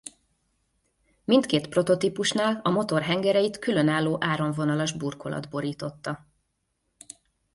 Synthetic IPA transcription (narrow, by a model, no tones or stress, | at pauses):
mint̪keːt̪pro̞t̪o̞t̪ipuʃnaːlɒmo̞t̪o̞rɦɛŋɡɛɾɛjit̪kylø̞naːlːoːʔaːɾo̞ɱvo̞nɒlɒʒburko̞lɒ̰d̪bo̞ɾiːt̪o̞t̪ːɒ